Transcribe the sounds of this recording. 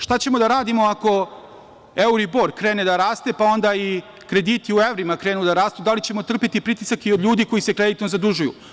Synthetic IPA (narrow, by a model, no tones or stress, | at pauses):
ʃt̪at͡ɕe̞mo̞d̪aɾaːd̪imo̞ako̞ | euɾibo̞ːɾkɾeːned̪aɾaːst̪e̞pao̞nd̪ai | kɾe̞d̪iːt̪iuevɾimakɾeːnud̪aɾaːst̪ud̪alit͡ɕe̞mo̞t̪r̩pit̪ipɾit̪isakio̞d̪ʎʲuːd̪iko̞jise̞kɾed̪it̪nozad̪uʒujṵ